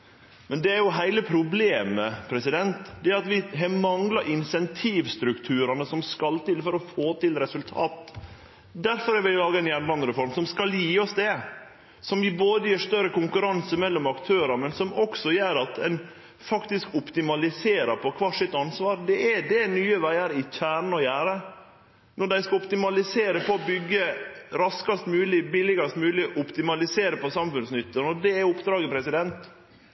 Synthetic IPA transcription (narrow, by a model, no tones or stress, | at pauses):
mɛnd̪ɛæɾjʊɦæɪləpʰɾʊbleːməpʰɾɛsɪd̪ɛnt̪d̪ɛæɾɑt̪ʋɪɦɑmɑŋlɑʔɪnsɛnt̪ʰiːʋst̪ɾʉkt̪ʰʉːɾɑnəsɔmskɑlt̪ɪlfɔɾɔfoːt̪ɪlɾɛsʉlt̪ʰɑːt̪ | d̪æɾfɔɾæɾʋɪllɑːɡəɛnjæːnlɑnd̪əɾɛfɔɾmsɔmskɑljiːɔsd̪ɛ | sɔmjiːboːd̪əjiːʂt̪œɾəkʊŋkʉɾɑnsəmɛlːɔmɑkt̪ʰøːɾɑmɛnsɔmɔksɔjøːɾɑt̪ɛn | fɑkt̪ɪskʊpt̪ɪmɑlɪseːɾɑpʰɔkʰʋɑːʂɪt̪ːɑnsʋɑːɾd̪ɛʔɛd̪ɛnyːəʋæɪɑɾɪçʰæːɳɔjæːɾə | nɔɖæɪskɑʊpt̪ɪmɑlɪseːɾəpɔːbʏɡːəɾɑskɑst̪mʉːlɪbɪlɪɡɑst̪mʉːlɪʔʊpt̪ɪmɑlɪseːɾəpɔsɑmfʉnsnʏt̪ːənɔd̪ɛæʊpd̪ɾɑːɡəpʰɾɛsɪd̪ɛnt̪